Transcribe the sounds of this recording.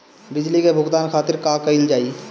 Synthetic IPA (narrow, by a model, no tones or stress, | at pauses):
bɪd͡ʒlikebʱʊɡt̪aːnkʰaːt̪ɪɾkaːkɐild͡ʒaːi